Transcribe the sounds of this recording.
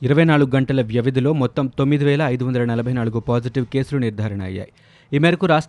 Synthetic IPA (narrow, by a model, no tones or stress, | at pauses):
iɾɐʋɐjnaːɭuɡuɡɐɳʈɐlɐʋjɐʋid̪ʱilo̞ːmɔt̪ːɐmt̪omːid̪iʋɛːlɐːjd̪uʋɐnd̪ɐlɐnɐlɐbʱɐjnaːluɡupaːd͡ʒiʈiʋke̞ːsuluniɾd̪ʱaːɾɐɳɐɐ̰jːa̰ːji | iːmɛɾɐkuɾaːsʂ